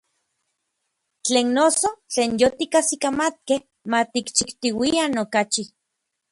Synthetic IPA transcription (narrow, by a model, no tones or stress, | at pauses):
t͡ɬeːnːosot͡ɬeːnjot̪ikasikamat̪̚keh | mat̪ikt͡ʃikt̪iwianokat͡ʃi